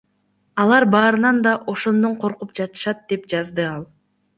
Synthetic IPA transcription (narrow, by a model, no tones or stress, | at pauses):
ɑlˠɑɾbɑːɾɯnɑnd̪ɑʔo̞ʃo̞nd̪o̞ɴqʰo̞ɾqup̚d͡ʒɑt̪ɯ̥ʃɑt̪̚d̪e̞pd͡ʒɑzd̪ɯɑlˠ